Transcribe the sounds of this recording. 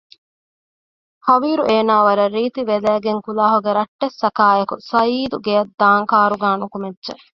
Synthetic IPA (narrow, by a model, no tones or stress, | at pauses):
hɐʋiːɾuʔeːnaːʋɐɾɐɾiːt̪iʋed̪æːɡeŋkulaːɦuɡeɾɐʈːesːɐkaːjɐkṵsɐiːd̪uɡejɐd̪ːaːŋkaːɾuɡaːnukumedːʒe